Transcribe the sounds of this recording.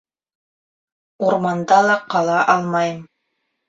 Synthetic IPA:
uɾmɑnd̪ɑlˠɑqɑlˠɑʔɑlˠmɑjm

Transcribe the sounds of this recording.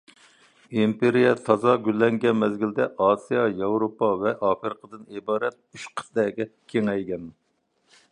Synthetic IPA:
impeɾijɛt̪ʰɑzɑɡʲylːɛŋɡʲɛnmɛzɡʲild̪ɛʔɑːsijɑjɑwɾopɑvɛʔɑːpɨɾqʰəd̪ɨnibɑːɾɛt̪̚yʃqʰə̥sd̪ɛːɡʲɛkʲʰeŋɛjɡʲɛn

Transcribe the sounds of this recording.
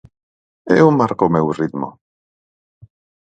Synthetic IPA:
ɛwmaɾkɔmɛwrɪdmɔ̰

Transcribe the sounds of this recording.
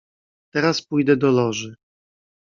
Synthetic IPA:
t̪ɛɾaspujd̪ɛd̪ɔlɔʐɘ

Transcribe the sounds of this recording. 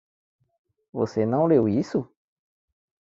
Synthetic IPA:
vo̰senɐ̃w̃lewisu

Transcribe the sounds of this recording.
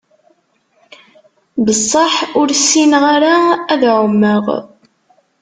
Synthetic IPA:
bəsˤːɑħʊɾsːinʁaɾaːðʕəmːəʁ

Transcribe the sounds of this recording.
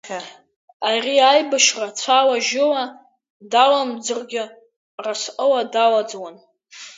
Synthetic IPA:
arʲiajbaʃrat͡sʷʰawaʒɪwa | dalamd͡zɨrɡʲɪ | rasqʼəwadawad͡zwan

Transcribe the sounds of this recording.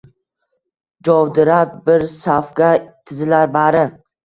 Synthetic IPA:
d͡ʒɒwd̪ɪɾap̚bɪɾsafɡʲat̪ʰɪzɪlaɾbaɾɪ

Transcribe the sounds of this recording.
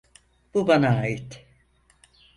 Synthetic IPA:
b̥ubanaːjit̪

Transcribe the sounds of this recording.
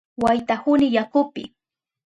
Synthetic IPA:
wajt̪ahʊnɪjakʊpɪ̰

